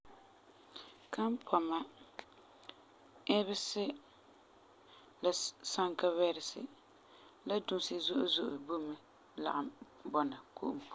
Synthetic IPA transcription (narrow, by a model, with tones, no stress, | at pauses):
kʰa˦m˦pʰɔ˨ma˦ | ɛ˦βɪ˦sɪ˦ | la˨sa˦ŋka˦wɛ˦ɾɪ˨sɪ̰˨ | la˦du˦nsɪ˦zʊ˦ʔʊ˦zʊ˦ʔʊ˨bu˦mɪ˦ | la̰˨ʔɪ˨bɔ˨na˨kṵ˦ʔʊ˨